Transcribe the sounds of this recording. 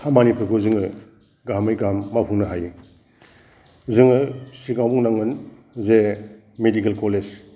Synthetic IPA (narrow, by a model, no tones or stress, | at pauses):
kʰamanipʰɯkʰozɯŋɯ | ɡamajɡamːapʰuŋnɯɦaj | zɯŋɯsiɡawbuŋnaŋɯn | ze | medikelkoled͡ʒ